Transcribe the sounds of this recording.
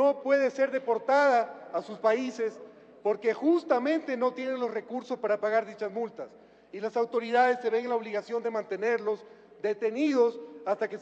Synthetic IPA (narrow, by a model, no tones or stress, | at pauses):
no̞pwe̞ðese̞ɾðe̞po̞ɾt̪aðaːsuspaise̞s | po̞ɾke̞xust̪amẽ̞nt̪e̞no̞t̪je̞ne̞nlo̞sre̞kuɾsospaɾapaɣaɾðit͡ʃazmult̪as | ilasawt̪o̞ɾiðaðe̞sːe̞βe̞ŋenlao̞β̞liɣasjo̞nd̪e̞mãnt̪e̞ne̞ɾlo̞z | d̪e̞t̪e̞niðo̞sast̪ake